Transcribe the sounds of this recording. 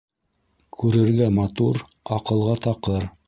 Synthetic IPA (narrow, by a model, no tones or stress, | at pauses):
kʰʉɾɘ̆ɾɡæmɑt̪uɾ | ɑqɤ̆lˠʁɑt̪ɑqɤɾ